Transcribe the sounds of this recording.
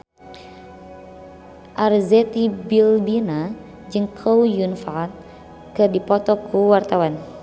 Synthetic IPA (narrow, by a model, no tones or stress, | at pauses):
ʔarzɛt̪ibilbina | d͡ʒɨŋkʰoujunfat̪̚ | kɨrdipɔt̪ɔkʰuwart̪awan